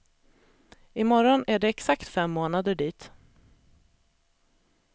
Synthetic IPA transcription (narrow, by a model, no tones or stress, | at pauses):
ɪmɔɾɔnæɖɛɛksakt̪fɛmːoːnad̪əɖiːt̪